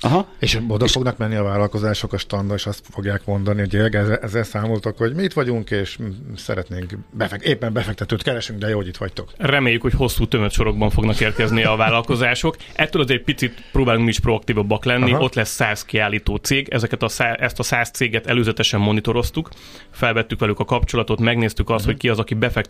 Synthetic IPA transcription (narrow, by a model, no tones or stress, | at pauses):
ɒɦeːʃod̪ɒfo̞ɡnɒkmɛnːiɒvaːlɒlko̞zaːʃokɒʃt̪ɒnd̪oeʃɒst̪foɡjaːkmo̞nd̪ɒnihoɟeɡɛɛzːɛlsaːmolt̪okho̞ɟmiːt̪ʋɒɟuŋkeːʃsɛ̰ɾɛt̪neːŋkbɛfɛkeːpːɛmbɛfɛk̚t̪ɛt̪øːt̪kɛɾɛʃyŋɡd̪ɛjoːɦoɟit̪ʋɒ̰ct̪o̞krɛmeːjːykho̞cho̞sːuːt̪ømøt̪ʃo̞ɾo̞ɡ̚bɒɱfo̞ɡnɒkeːrkɛznijɛɒvaːlːɒlko̞zaːʃo̞k | ʔɛt̪ːøːlɒzɛɟ̚pit̪sit̪proːbaːluŋkmiʃpro̞ɒk̚t̪iːvɒbːɒklɛnːio̞t̪lɛsːaːzkiaːlːiːt̪oːt̪seːɡɛ̰zɛkɛt̪ɒsaʔɛst̪ɒsaːst̪seːɡɛt̪ɛløːzɛt̪ɛʃɛmːo̞nit̪o̞ɾo̞st̪uk | fɛlvɛt̪ːykʋɛlykɒkɒpt͡ʃo̞lɒt̪o̞t̪mɛɡneːst̪ykɒst̪ho̞ckiɒzɒkibɛfɛk